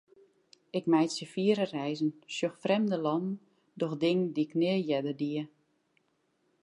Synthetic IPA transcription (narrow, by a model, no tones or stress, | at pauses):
ɪkmɛjtsəfiəɾərɛjzənsjøxfrɛmdəlɔnn̩ | dɔxdɪŋəndiknɪəjɛdərdiə